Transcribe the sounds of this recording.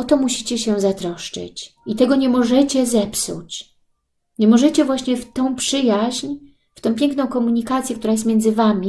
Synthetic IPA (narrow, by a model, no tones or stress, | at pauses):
ɔt̪ɔmuɕi̥t͡ɕɛɕɛzat̪ɾɔʂt͡ʂɘ̰t͡ɕit̪ɛɡɔɲɛmɔʐɛt͡ɕɛzɛpsṵt͡ɕ | ɲɛmɔʐɛt͡ɕɛvwaɕɲɛft̪ɔ̃w̃pʂɘjaʑɲ | ft̪ɔ̃w̃pʲjɛ̃ŋknɔ̃w̃kɔmuɲikat̪sʲjɛkt̪uɾajɛst̪mʲjɛnd̪zɘvamʲi